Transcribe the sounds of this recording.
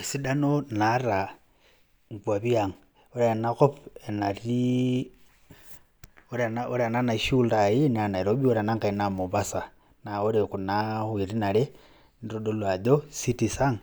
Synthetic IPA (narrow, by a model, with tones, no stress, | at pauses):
esi˦da˦nonaɾa | ŋ˨kwa˨βiaŋ | o˦ɾanakopena˨ɾi | oɾnao˦ɾa˨na˦naʃuldai˦nana˨iɾobi˦o˦ɾa˨na˦ŋka˨inamu˨βasa˨ | na˨o˦ɾeku˨nahwi˨ɾi˦na˨le˦ | niɾodo˦lwa˨ðo˦si˦tisa˦ŋ